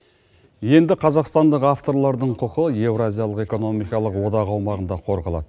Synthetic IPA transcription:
je̞nd̪ɪqʰɑzɑqst̪ɑnd̪əqaft̪o̞ɾlˠɑɾd̪əɴqʰʊqəje̞vɾazʲijalˠəqe̞ko̞no̞mijkɑlˠəqwo̞d̪ɑʁɑwmɑʁənd̪ɑqʰo̞ɾʁɑlˠɑ̰d̪ə

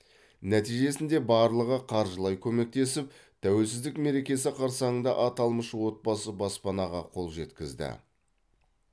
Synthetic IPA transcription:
næt̪ijʒe̞sɪnd̪e̞bɑɾlˠəʁəqʰɑɾʒəlˠɑjkʲʰɵme̞k̚t̪e̞sɪp̚ | t̪ʰæwe̞lsɪzd̪ɪkme̞ɾe̞kʲe̞sɪqʰɑɾsɑɴəɴd̪ɑ̰ʔɑt̪ɑlˠməʃwo̞t̪̚bɑsəbɑspɑnɑʁɑqʰo̞lˠʒe̞t̪kʲɪzd̪ɪ̰

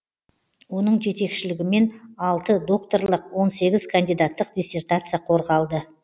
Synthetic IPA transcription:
wo̞nəɴʒe̞t̪e̞kʃɪlɪɡʲɪme̞nɑlˠt̪əd̪o̞k̚t̪o̞ɾlˠəqwo̞nse̞ɡʲɪz̥kʰand̪ijd̪at̪ːəqd̪ʲisʲe̞rt̪at̪sɨjaqʰo̞ɾʁɑlˠd̪ə

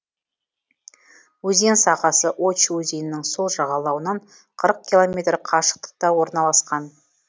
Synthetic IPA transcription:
wɵzensɑqɑsəʔot͡ʃwɵzejɪnːɪŋso̞lˠʒɑʁɑlˠɑwənɑɴ | qʰəɾəq̚kʲilˠo̞mʲe̞t̪ɾqʰɑʃə̥q̚t̪ə̥q̚t̪ɑwo̞ɾnɑlˠɑsqɑn

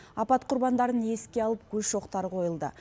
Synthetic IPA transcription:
ɑpɑt̪qʰʊɾbɑnd̪ɑɾəne̞skʲe̞ɑlˠəp̚kʲʰɵzʃo̞qt̪ɑɾqʰo̞jəlˠd̪ə̰

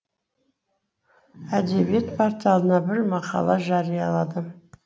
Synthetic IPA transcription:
æd̪e̞bije̞t̪pʰaɾt̪ijɑlˠənɑbɪɾmɑqɑ̰lˠɑʒɑɾijɑlˠɑd̪ə

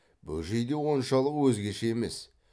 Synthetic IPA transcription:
bɵ̰lʒejd̪e̞wo̞nʃɑlˠəqwɵzɡʲe̞ʃeeme̞s

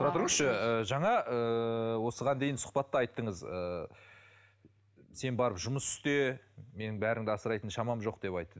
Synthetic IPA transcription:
ʊɾɑt̪ʰʊɾəɴəsʃəəʒɑɴɑʔəwo̞səʁɑnd̪e̞jɪnsʊ̥qpɑt̪ːəɑjt̪ːəɴəzə | se̞nbɑɾəpʒʊməsʏ̥st̪e̞me̞nɪŋbæɾɪŋd̪ɪɑsəɾɑjt̪ənʃɑmɑmʒo̞q̚d̪̥e̞pɑjt̪ːəd̪

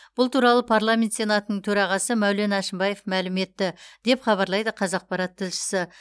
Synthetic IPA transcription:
b̥ʊlˠt̪ʰuɾɑlˠəpʰaɾlˠamʲent̪sʲe̞nat̪ənəɴt̪ʰɵɾɑʁɑsəmæwle̞nɑʃɪmbɑje̞fmælɪme̞t̪ːɪd̪̥e̞pχɑβɑɾlˠɑjd̪əqʰɑzɑq̚pɑɾaɑt̪ʰːɪlʃɪ̥sɪ

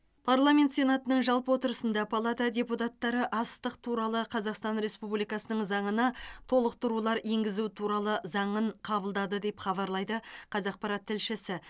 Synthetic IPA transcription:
pʰarlˠamʲe̞nt̪sʲe̞nat̪ənəɴʒɑlˠpəwo̞t̪əɾəsənd̪ɑpʰalˠat̪ad̪ʲe̞put̪ɑt̪ːɑɾəʔɑst̪əqt̪ʰuɾɑlˠəqʰɑzɑqst̪ɑnɾe̞spublijkɑsənəɴzɑɴənɑt̪ʰo̞lˠəq̚t̪ʊɾulˠɑɾe̞ŋɡʲɪzut̪ʰuɾɑlˠəzɑɴəɴqʰɑbəlˠd̪ɑd̪əd̪e̞pχɑβɑɾlˠɑjd̪əqʰɑzɑq̚pɑɾɑt̪ʰːɪlʃɪsɪ

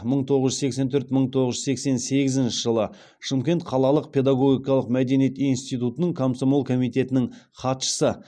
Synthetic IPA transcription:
məɴt̪ʰo̞ʁəʒʏze̞kse̞nt̪ʰɵɾt̪məɴt̪ʰo̞ʁəʒze̞kse̞nse̞ɡʲɪzɪnʃɪʒəlˠə | ʃəmkʲe̞nt̪qʰɑlˠɑlˠəq̚pʰʲe̞d̪aɡo̞ɡʲijkɑlˠəqmæd̪e̞nijet̪inst̪ijt̪ut̪ənəɴkʰomsomolˠkʰo̞mijt̪e̞t̪ɪnɪŋ | χʰɑt̪ʃə̥sə

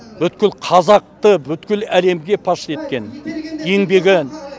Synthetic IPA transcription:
bʏt̪̚kʲɪlqʰɑzɑq̚t̪əbʏt̪kʲɪlæle̞mɡʲe̞pʰɑʃe̞t̪̚kʲe̞ne̞ŋbe̞ɡʲɪ

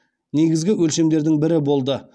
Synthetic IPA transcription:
ne̞ɡʲɪzɡʲɪwɵlʃe̞md̪e̞ɾd̪ɪŋbɪɾɪbo̞lˠd̪ə

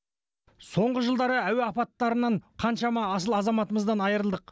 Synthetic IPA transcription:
so̞ɴʁəʒəlˠd̪ɑɾəæweɑpɑt̪ːɑɾənɑɴqʰɑnʃɑmɑːsəlˠɑzɑmɑt̪əməzd̪ɑnɑjəɾəlˠd̪əq

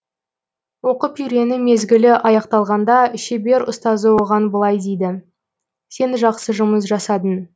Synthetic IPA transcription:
wo̞qəpʏjɾe̞nɪme̞zɡʲɪlɪʔɑjɑqt̪ɑlˠʁɑnd̪ɑʃebe̞ɾʊ̰st̪ɑzəwo̞ʁɑnbəlˠɑjd̪ejd̪ɪ | se̞nʒɑqsəʒʊməs̬ʒɑsɑd̪ən

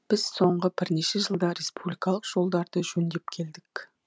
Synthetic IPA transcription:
b̥ɪz̥so̞ɴʁəbɪɾne̞ʃeʒəlˠd̪ɑɾe̞spublijkɑlˠəqʒ̥o̞lˠd̪ɑɾd̪əʒɵnd̪e̞p̚kʲʰe̞ld̪ɪk

